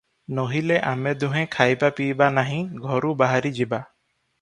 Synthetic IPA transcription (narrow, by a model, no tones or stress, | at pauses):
noɦileʔamɛd̪uɦɛ̃kʰajbapibanaɦĩɡʱɔɾubaɦaɾid͡ʒiba